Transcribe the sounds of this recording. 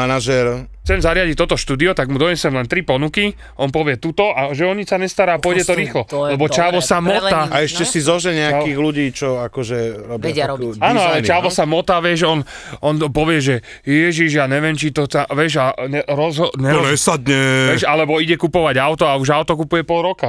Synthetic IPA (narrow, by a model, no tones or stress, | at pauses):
anaʒɛɾxt͡sɛmzaɾɪaɟic̚t̪ɔt̪ɔʃt̪uːd̪iɔt̪aɡmud̪ɔɲɛsɛmlɛnt̪ɾipɔnuki | ʔɔnpɔʋɪɛt̪ut̪ɔʔaʒɛɔɲisaɲɛst̪aɾaːpʊɔjɟɛt̪ɔɾiːxlɔlɛbɔt͡ʃaːʋɔsamɔaaɛʃcɛsizɔʒɛɲɛakiɣluɟiːt͡ʃɔakɔʒɛɾɔbɛaɔaːnɔalɛt͡ʃaːʋɔsamɔt̪aʋjɛʃɔnɔnpɔʋɪɛʒɛ | jɛʒiʒjaɲɛʋjɛmt͡ʃit̪ɔt̪aʋɛʒaɛɾɔzɦɔɲɛɛsad̪ɲɛʋɛʃalɛbɔiɟɛkupɔʋaɟaʊt̪ɔauʒaʊt̪ɔkupujɛpɔlˠɾɔka